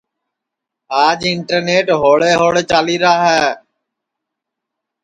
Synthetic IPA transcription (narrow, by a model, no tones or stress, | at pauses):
aːd͡ʒɪɳʈəɾneːʈɦoːɭeːɦoːɭeːt͡ʃaːliːɾaːɦɛː